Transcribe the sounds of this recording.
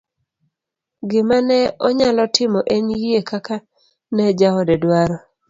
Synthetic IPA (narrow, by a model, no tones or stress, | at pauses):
ɡɪmanɛɔɲalɔtʰɪmɔʔeɲjiekaka | nɛd͡ʒaɔdɛdwaɾɔ